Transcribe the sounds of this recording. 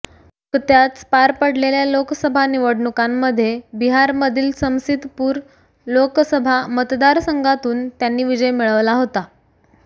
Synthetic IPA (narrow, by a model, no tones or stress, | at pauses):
kət̪jat͡spaɾpəɽ̤leljaloksəbʱaniʋəɽɳukamːəd̪ʱːjebiɦaɾməd̪ʱiːlsə̃w̃sid̪puːɾ | loksəbʱamət̪d̪aɾsəŋɡat̪uːnt̪janːiːʋid͡ʑəjmiɭəʋlaɦot̪a